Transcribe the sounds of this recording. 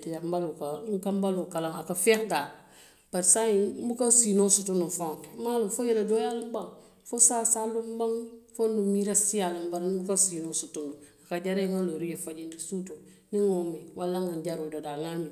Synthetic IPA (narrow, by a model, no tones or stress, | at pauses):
tijambalukaŋkambalokalaŋakafɛkdaː | b̥asajibukansinosutunufaŋmaːlʊmfojɛɾadojalɪmbaŋ | fosasalumbaŋfondumiɾasijalɪmbaɾnbukansinosutunduakad͡ʒaɾeŋaloɾijefad͡ʒindisuto | nɪŋomiwʔalːaŋanɟaɾododaŋamĩ